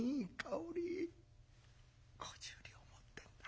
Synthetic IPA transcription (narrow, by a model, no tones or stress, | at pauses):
ikʼauɾi | kʰo̥d͡ʑuɾʲiomot̪ːend̪ḁ